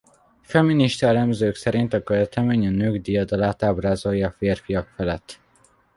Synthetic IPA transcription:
fɛmːiniʃt̪ɒɛlɛmzøːksɛɾint̪ɒkøvɛt̪ɛmeːɲɒnøːɡd̪ijɒd̪ɒlaːt̪aːbraːzo̞jːɒːfeːrfiɒkfɛlɛt̪ː

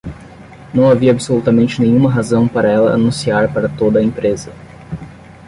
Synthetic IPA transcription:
nɐ̃w̃aviɐːbɪsolut̪ɐmẽnt͡ʃɪnẽjɲ̃ũmɐɦazɐ̃w̃paɾɐɛlɐ̰a̰nũsiaɾpaɾɐt̪od̪ɐẽpɾezɐ

